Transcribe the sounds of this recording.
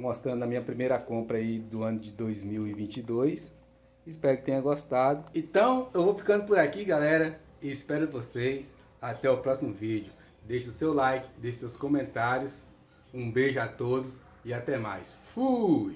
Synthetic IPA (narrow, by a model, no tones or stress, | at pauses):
mɔst̪ɾɐ̃d̪ʊnɐmĩɲɐpɾimejɾɐkõmpɾɐaid̪ʊɐ̃nʊd͡ʒɪd̪ojzmiwɪvĩnt͡ʃid̪ojsː | spɛɾʊkɪ̥t̪ẽɲ̃ɐɡɔst̪ad̪ʊẽt̪ɐ̃w̃ewvowfi̥kɐ̃nd̪ʊpʊɾakiɡalɛɾɐ | ɪːspɛɾʊɪvosejs | at̪ɛʊpɾɔsimʊvid͡ʒiʊ | d̪ejʃʊsewlajkɪ̥d̪ejʃʊsewskõmẽnt̪aɾjʊs | ũbeʒʊat̪od̪ʊs | ɪat̪ɛma̰jsfuj